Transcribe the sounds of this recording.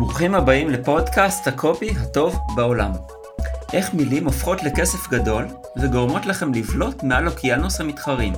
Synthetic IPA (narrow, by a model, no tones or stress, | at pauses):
muχimhabaimle̞po̞dkasthakʰo̞piɦato̞vbao̞lam | ʔe̞χmilimofχo̞tle̞ke̞se̞fɡado̞l | veɡo̞ʁmo̞tlaχe̞mlivlo̞tmealokianushamitχaʁim